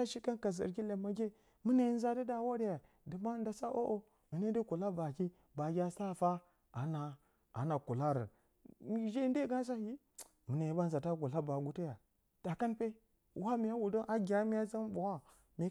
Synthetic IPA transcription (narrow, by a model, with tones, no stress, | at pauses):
a˦ʃi˦ka˦nka˨z̬ə̰˨ɾkʲi˦le˨ma˨ɡʲe˦ | mu˦ne˨i˦n˦za˦di˦da˨wo˦de˦ja˨ | di˨ma˦n˦da˨sa˦ʔo˦ʔo˦ | mi˨ne˦di˦ku˨la˦ba˨ki˦ | ba˨ɡʲa˦sa˦˨fa˦ | a˨na˨ | a̰˨na˨ku˨la˦ɾə̰˨ | m˦ʒe˦n˦de˦ɡa˦s̬a˦ji˦ | mu˨ne˨ji˨˦ba˦n˨za˨ta˦ku˨la˦ba˨ɡu˨ti˦ja˨ | d̥a˨ka˦npe˦ | wa˦mi˨ja˦wu˨do˦ʔa˦ɡʲa˦mi˦ja˦za˦n˦bo˨wa˦ | me˨˦